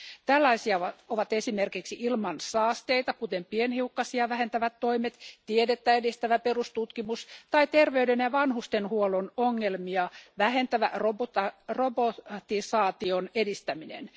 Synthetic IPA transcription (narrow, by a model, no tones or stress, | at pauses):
t̪ælːɑisiɑɑoʋɑt̪esimerkiksiʔilmɑnsɑːst̪eit̪ɑkut̪empienhiukːɑsiɑʋæhent̪æʋæt̪ːoimet̪t̪iedet̪ːæedist̪æʋæperust̪ut̪kimust̪ɑit̪erʋeydenjɑʋɑnhust̪enhuolonoŋːelmiɑʋæhent̪æʋæ̰roborobot̪isɑːt̪ionedist̪æminḛn